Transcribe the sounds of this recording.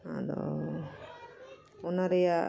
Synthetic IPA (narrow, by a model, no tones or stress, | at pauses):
ɦã̰d̪ɔ̰ | ɔnaɾɛja